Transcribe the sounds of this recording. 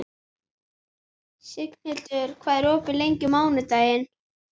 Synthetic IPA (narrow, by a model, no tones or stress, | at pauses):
sɪkn̥hɪt̪ʏɾ̥kʰvaːðɪɾɔːpɪlejɲcʏmaːwnʏt̪aːjɪn